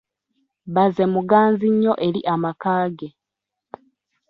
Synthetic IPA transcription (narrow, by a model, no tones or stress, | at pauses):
βaze̞muɡaːnziɲːo̞ʔe̞ɾiʔamakaːɡe̞